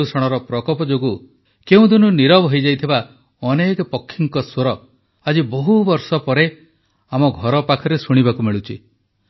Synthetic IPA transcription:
usɔɽ̃ɔɾɔpɾɔkɔpɔd͡ʒoɡu | keũd̪ununiɾɔbɦɔjd͡ʒajt̪ʰiba | ɔnekɔpɔkʰːiŋkɔswoɾɔ | ad͡ʒibɔɦubɔɾsɔpɔɾe | amɔɡʱɔɾɔpakʰɔɾesuɽ̃ibakumeɭut͡ʃʰi

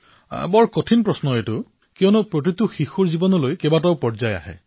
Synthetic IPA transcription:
bɔɹkotʰinpɹɔsnɔetʊ | kijɔnɔpɹot̬ituxixuɹzibɔnɔlojkɛbataʊpɔɹzaja̰ɦɛ̰

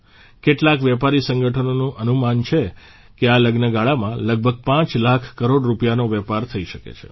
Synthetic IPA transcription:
keʈlakʋɛpaɾisə̃ŋɡəʈʰənonũʔənumant͡ʃʰe | kealəɡnəɡaɭamãləɡ̚bʱəɡ̚pãt͡ʃlakʰkəɾoɽɾupjanoʋɛpaɾt̪ʰəiʃəkḛt͡ʃʰḛ

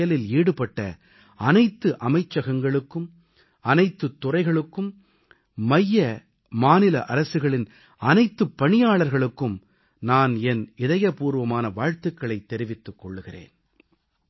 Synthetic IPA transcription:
jɐlɪliːɽɯpɐʈːɐ̰ | ɐnɐɪt̪ːɯʔɐmɐɪt͡ʃːɐɣɐŋɡɐɭɯkːɯm | ɐnɐɪt̪ːɯt̪ːʊrɐɪɣɐɭɯkːɯm | mɐjːɐ | maːnɪlɐ̰ʔɐɾɐsɯɣɐɭɪn | ɐnɐɪt̪ːɯpːɐɳɪjaːɭɐɾɣɐɭɯkːɯm | naːnɛnɪðɐjɐpuːɾʋɐmaːnɐʋaːɻt̪ɯkːɐɭɐɪt̪ːɛɾɪʋɪt̪ːɯkːɔɭːɯɣɪrḛːn

